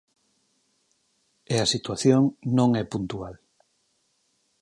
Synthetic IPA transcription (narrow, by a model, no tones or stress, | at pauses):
easit̪waθjoŋnõŋɛpunt̪ual